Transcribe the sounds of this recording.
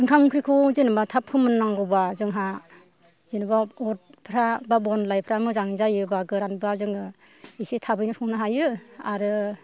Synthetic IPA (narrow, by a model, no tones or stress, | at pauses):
ɯŋkʰaŋkʰɾikʰuzinɯbatʰapʰhɯmɯnːaŋɡɔbazɯŋɦa | zenɯbaɔt̚pʰɾababɔnlajpʰɾamɯzaŋzajɯbaɡɯɾanbɯazɯŋɯ | isetʰabɯjnɯpʰɔŋnaɦajɯaɾɯ